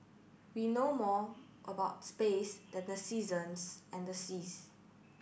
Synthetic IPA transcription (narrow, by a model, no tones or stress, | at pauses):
winomɔ | ʔəbaʊtspesdɛ̃ndəsizə̃nsʔɛ̃ndəsis